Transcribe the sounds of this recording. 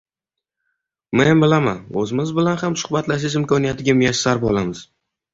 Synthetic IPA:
menbɪlama̰ɵzɪmɪzbɪlanhamsʊ̥hbat̪laʃ̬ɪzɪmkʰɒnijat̪ʰɪɡʲamʊjaʃsaɾbɒlˠamɪz̥

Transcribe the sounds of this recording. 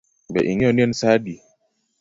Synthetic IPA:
bɛ̰ʔiŋɛɔniɛnsaːɗi

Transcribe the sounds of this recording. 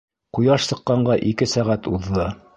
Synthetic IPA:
qujɑʃsɤ̆qːɑɴɢɑʔikɘsæʁæt̪uðːɤ

